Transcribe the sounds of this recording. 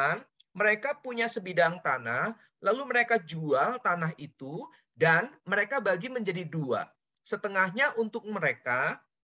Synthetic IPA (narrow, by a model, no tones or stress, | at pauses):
an | məɾekapuɲasəbidaŋt̪anah | laluməɾekad͡ʒualt̪anaɦit̪u | danməɾekabaɡiməɲd͡ʒadidua̰ | sət̪əŋahɲaʔunt̪ʊk̚məɾeka